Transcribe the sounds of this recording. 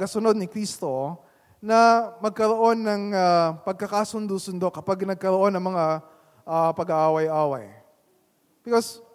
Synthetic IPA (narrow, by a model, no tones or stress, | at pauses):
kɐsʊno̞d̪̚nɪkɾiːst̪o̞ | nɐmɐɡ̚kɐɾoʔo̞nːɐŋapɐɡ̚kɐkaːsʊnd̪usʊnd̪o̞ʔkɐpaɡnɐɡ̚kɐɾo̞ʔo̞nɐŋmɐŋa | ʔapɐɡaʔaːwɐjʔaːwɐ̰j | b̥ɪkos